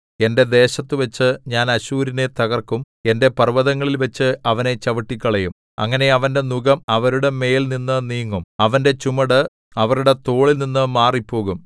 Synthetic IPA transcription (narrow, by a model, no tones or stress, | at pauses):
e̞nde̞d̪e̞ːɕɐt̪ːɨʋɐt͡ɕːɨɲaːnɐɕuːɾinet̪ɐɣɐrkum | e̞nde̞pɐrʋɐðɐŋːɐɭilʋɐt͡ɕːɨɐʋɐne̞t͡ɕɐʋɐʈːikʲːɐɭɐjum | ɐ̰ŋːɐne̞ɐʋɐnde̞nuɣɐmɐʋɐɾuɽe̞me̞ːjilninːɨniːŋːumɐʋɐnde̞t͡ɕumɐɽɨ | ɐʋɐruɽe̞t̪o̞ːɭilninːɨmaːripːo̞ːɣum